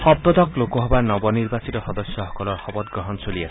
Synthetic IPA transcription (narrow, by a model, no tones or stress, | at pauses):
hɔb̚d̪ɔd̪ɔklokɔɦɔbaɾnɔbɔniɾbasit̪ɔhɔd̪ɔsjɔhɔkɔlɔɾhɔbɔt̪̚ɡɾɔɦɔnsolia